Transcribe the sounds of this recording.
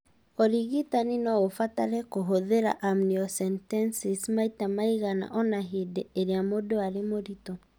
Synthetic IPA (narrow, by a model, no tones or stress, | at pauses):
ɔɾiɣitaninɔofataɾɛkoɦoðeɾa̰ʔamniɔsɛntɛnsismaitamaiɣana̰ʔɔnaɦideeɾeamodoaɾemoɾitɔ